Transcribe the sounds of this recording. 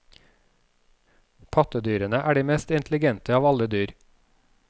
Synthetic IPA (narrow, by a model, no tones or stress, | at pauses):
pʰɑt̪əd̪yːɾənəʔæːɖiːmɛst̪ɪnt̪ʰlɪɡɛnt̪əɑːʋɑləd̪yːɾ